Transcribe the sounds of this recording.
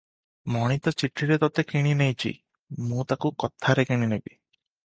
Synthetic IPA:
mɔɽ̃it̪ɔt͡ʃiʈʰɾiɾet̪ɔt̪ekiɽ̃inejt͡ʃʰḭ | mũt̪akukɔt̪ʰaɾekiɽ̃inebi

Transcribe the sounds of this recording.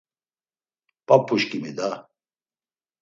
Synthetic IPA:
pʼapʰːuʃkimid̪a

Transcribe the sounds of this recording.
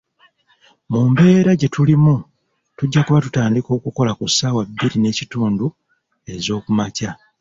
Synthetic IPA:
mumbe̞ːɾaɟe̞tulimu | tuɟːakuβatutaːndiko̞ːkuko̞lakusaːwabːiɾine̞ːcituːndu | e̞zo̞ːkumaca

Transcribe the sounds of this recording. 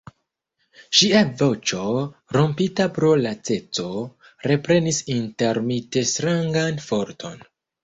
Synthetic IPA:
ʃiavo̞t͡ʃo̞ɾo̞mpitapɾo̞lat͡se̞t͡so̞ | ɾe̞pɾe̞nisinte̞ɾmite̞stɾaŋɡanfo̞ɾtʰo̞n

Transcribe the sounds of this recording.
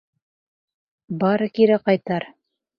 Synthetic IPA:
bɑɾɤkiɾæqɑjt̪ɑɾ

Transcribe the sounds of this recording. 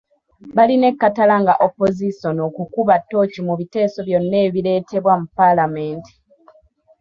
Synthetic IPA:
βaline̞kːatalaŋɡaʔopːo̞ziso̞no̞kukuβatːo̞ːcimuβite̞ːso̞βjo̞nːe̞ːβile̞ːte̞βwamupːalame̞ːnti̥

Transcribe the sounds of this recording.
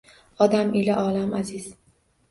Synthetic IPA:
ɒd̪amilaʔɒːlamaziz̥

